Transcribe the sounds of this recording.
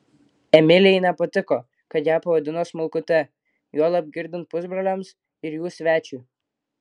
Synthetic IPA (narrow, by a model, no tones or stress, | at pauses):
ɛmʲɪlʲɪɛɪnʲɛpɐt̪ʲɪkoː | kɐt̪jæːpɐʋɐd̪ʲɪnoːsmʊlˠkʊt̪ʲɛ | joːlˠɐb̚ʲɡʲɪɾʲd̪ʲɪnt̪̚pʊzbɾɐlʲɛms | ɪɾjuːsʲʋʲæːt͡ʃʲuː